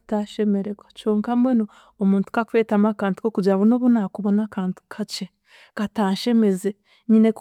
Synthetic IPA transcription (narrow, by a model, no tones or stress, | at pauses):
taʃe̞me̞ɾeɡwat͡ʃoːŋkamweno | omuːntu̥kakuweːtamakaːntu̥kokuɟaβunoβunakuβo̞nakaːntu̥kʰat͡ʃe | kataːʃe̞me̞ze | ɲine̞k